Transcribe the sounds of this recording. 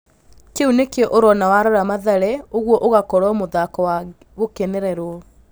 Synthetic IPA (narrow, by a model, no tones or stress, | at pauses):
keunekɔʔoɾɔnawaɾɔɾamaðɛɾɛoɣwɔʔoɣakɔɾɔmoðakɔwa | ɣokeneɾɛɾwɔ